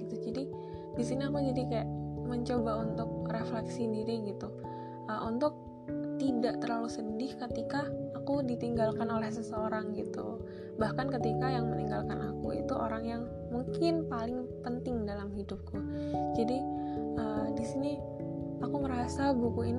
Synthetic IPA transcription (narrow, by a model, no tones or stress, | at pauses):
it̪ud͡ʒadi | disiniakud͡ʒadikajaʔməɲt͡ʃobaunt̪ʊk̚reflɛksindiɾiɡit̪u | əʔunt̪ʊk̚ | t̪idaʔt̪ərlalusədɪhkət̪ikaːkudit̪iŋɡalkanolɛhsəsəoɾaŋɡit̪ṵ | bahkankət̪ikajaŋməniŋɡalkanakuḭt̪uʔo̰ɾaŋjaŋ | muŋkɪnpalɪŋpənt̪ɪŋdalamhidʊp̚kud͡ʒadiəːdisini | akuməɾasabukuin